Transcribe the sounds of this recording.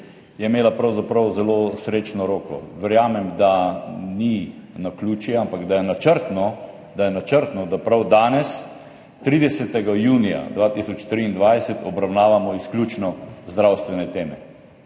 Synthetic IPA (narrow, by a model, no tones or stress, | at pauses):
jɛimeːlapɾawzapɾawzɛloːsɾeːt͡ʃnɔɾoːkɔ̰ʋɛɾjaːmɛmd̪aninakluːt͡ʃjɛampaɡd̪ajɛnat͡ʃəɾt̪nɔ | d̪ajɛnat͡ʃəɾt̪nɔd̪apɾawd̪aːnɛs | t̪ɾiːd̪ɛsɛt̪ɛɡajuːnija̰d̪ʋaːt̪isɔt͡ʃt̪ɾiːnd̪ʋajsɛt̪ɔbɾawnaːʋamɔisklʲjuːt͡ʃnɔzd̪ɾawst̪ʋɛnɛt̪eːmɛ